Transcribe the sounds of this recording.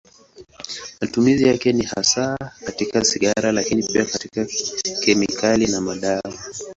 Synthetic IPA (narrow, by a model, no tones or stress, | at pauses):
matumizijakɛniha̰sakatikasiɠaɾalakinippiakatikakɛmikʰalinamaɗaa